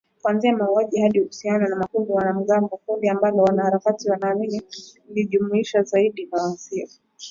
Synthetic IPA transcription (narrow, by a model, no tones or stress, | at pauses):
kwanziamauaʄihaɗiuhusiananamakundiwanam̩ɠaŋɡɔkundiambalɔwanahaɾakatiwanaːmini | liʄumuiʃazaiɗikawanziɔ